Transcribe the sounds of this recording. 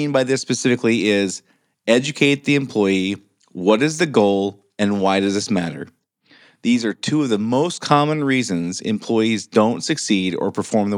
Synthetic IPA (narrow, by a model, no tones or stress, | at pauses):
nbaɪðɪsːpɨsɪfɨkliɪz | ɛd͡ʒɨkʰeɪt̪̚ðiɨ̃mpʰl̥ɔɪi | wʌɾɨzðɨɡoʊlˠ | ɨ̃nwaɪɾʌzðɪsmæ̰ɾə̰˞ | ðizə˞tʰuʌvðəmoʊstkʰɑmə̃nɹizɨ̃nzɨ̰̃mpʰl̥ɔɪizdõʊ̃ntsɨksiɾə̰˞pʰə˞fɔɹmðə